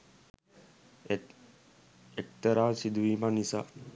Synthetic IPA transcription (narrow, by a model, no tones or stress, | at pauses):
ekt̪əɾaːsid̪uʋimanisa̰ː